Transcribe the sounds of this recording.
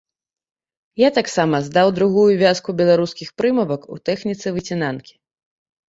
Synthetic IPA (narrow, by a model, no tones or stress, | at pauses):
jat̪aksamɐzd̪awd̪ɾuɣujuvʲaskubʲɛlˠaɾuskʲixpɾɨmɐvɐkṵt̪ɛxnʲit̪sɨvɨt͡sʲinankʲi̥